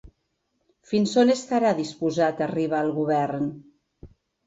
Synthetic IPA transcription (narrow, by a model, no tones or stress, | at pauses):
finsonest̪aɾaðispuzat̪ariβ̞aəlˠɣuβɛrn